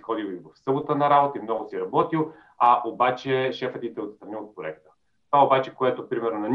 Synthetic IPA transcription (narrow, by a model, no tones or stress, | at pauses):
ixɔd̪ilˠivɐfsɤbot̪ənɐɾabot̪əimnɔɡʊsiɾɐbɔt̪ilˠ | aʔobat͡ʃɛʃɛfɐt̪it̪ɛot̪st̪ɾɐniot̪̚pɾoɛk̚t̪ə̥ | t̪o̥aobat͡ʃɛkoɛt̪opɾimɛɾnonɐnʲ